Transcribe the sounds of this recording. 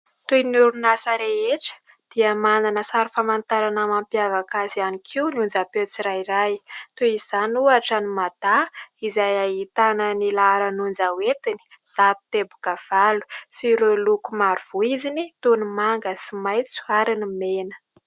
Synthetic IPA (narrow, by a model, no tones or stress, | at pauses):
t̪ujnuɾunasəɾeeʈ͡ʂə̥ | d̪̥iəmananəsaɾifamant̪aɾanamampjavakazianikʰiunund͡zapewt͡siɾajirajt̪uiz̥anuaʈ͡ʂanimad̪̥aizajaɦit̪anənilaɾənund͡zawet̪ini̥ | z̥at̪u̥t̪ebuɡav̥alu̥siɾelukumaɾuv̥uizinit̪unimaŋɡəsimajt͡su̥aɾinimenə̥